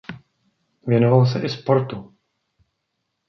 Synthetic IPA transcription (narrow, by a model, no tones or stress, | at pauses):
vjɛnovals̬ɛʔɪspo̞ɾt̪u